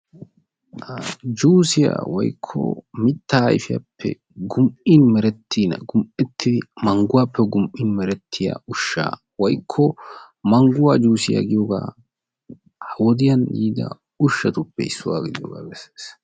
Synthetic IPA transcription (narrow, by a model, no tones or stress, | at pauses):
d͡ʒuːsɪja̰ːwɔjkʰːɔ̰mɪt̪ːaːjfɪja̰pʰːɛ̰ | ɡʊmɪnmɛɾɛt̪ʰːinɐ̰ɡʊmɛt̪ʰːɪd̪ɪmɐŋɡʊwaːpʰːɛɡʊmʔɪnmɛɾɛt̪ʰːɪja̰ʊʃːa̰ː | wɔjkʰːɔ | mɐŋɡʊwaːd͡ʒuːsɪja̰ɡɪjoɡa̰ː | hɐwɔd̪ɪjɐndiːd̪ɐ̰ | ʊʃːɐt̪ʊpːɛɪsːʊwa̰ːɡɪd̪ɪjo̰ːɡa̰ːbɛse̥ːs